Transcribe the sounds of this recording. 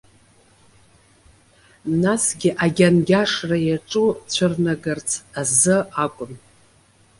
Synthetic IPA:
nasɡʲɪʔaɡʲanɡʲaʂrajaʈ͡ʂʼut͡ɕʷʰɨrnaɡɨrt͡sʰazɨakʷʼʊm

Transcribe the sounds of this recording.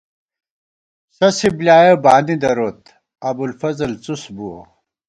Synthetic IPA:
sɐsiblʲaːjɐbaːnid̪ɐɾoːt̪ | ɐbulfɐzɐlt͡susbuo̰

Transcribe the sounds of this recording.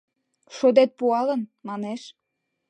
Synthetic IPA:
ʃod̪et̪̚puɑlə̆nmɑneʃ

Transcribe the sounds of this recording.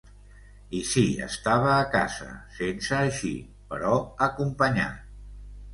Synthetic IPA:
isiə̰st̪aβ̞əːka̰zə̰sensəːʃḭ | pəɾɔəkumpəɲa̰

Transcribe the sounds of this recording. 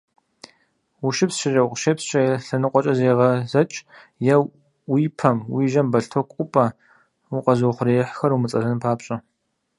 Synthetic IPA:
wuʃɪpsʃɪrɐwqʃepsɕʼɐjɬɐnɨqʷʼɔt͡ʃʼɐzeːʁɐzɐt͡ʃʼ | jɐw | wiːpʰɐmwiːʒɐmbɐɬtʰokʷʼʊpʼɐ | wʊqʼɐzoχʷʊreːħxɐrumɨt͡sʼɐzɨnpʰaːpɕʼɐ

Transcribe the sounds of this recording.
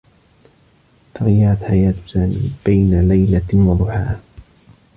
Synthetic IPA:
t̪aɣjaʕat̪ħajaːt̪saːmḭːb̥ajnalajlawɑd̪ˤʊħaː

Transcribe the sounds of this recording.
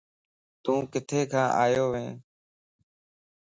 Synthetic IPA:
t̪ũːkɪt̪ʰeːkʰãːʔaːjoːʋẽː

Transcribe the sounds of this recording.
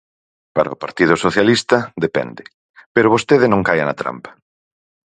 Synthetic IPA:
paɾɐ̰opaɾt̪iðʊsoθjalist̪ɐd̪epɛ̰nd̪ɪ | peɾʊβ̞ost̪eðɪnõŋkajanɐt̪ɾa̰mpɐ̥

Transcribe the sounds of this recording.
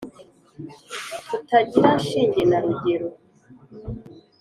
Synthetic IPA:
tutaɟiɾanʃiːɲɟenaɾuɟeɾo

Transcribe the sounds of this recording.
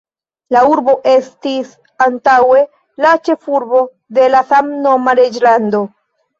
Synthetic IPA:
lauɾbo̞ʔe̞stis | antawe̞ | lat͡ʃe̞fuɾbo̞ | de̞lasamno̞maɾed͡ʒlando̞

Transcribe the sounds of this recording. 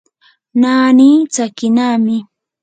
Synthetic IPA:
naːniːt͡sakɪnaːmɪ

